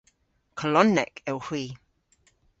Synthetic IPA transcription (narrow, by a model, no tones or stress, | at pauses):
kʰəlɔnːɛkɛwhwiː